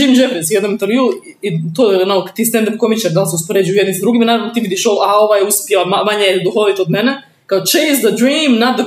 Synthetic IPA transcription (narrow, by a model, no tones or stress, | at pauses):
iːmd͡ʒefɾisjed̪namint̪eɾʋju | it̪oːnakt̪iːst̪end̪apkomit͡ʃeɾd̪alˠseuspoɾed͡ʒijujed̪nimsd̪ɾuɡimanaːɾaʋnot̪iːʋid̪iʃolao̞ʋajeuspjelamamaɲejed̪uxolit̪od̪mene | kaot͡ʃeɪzd̪ədɾiːmnad̪ə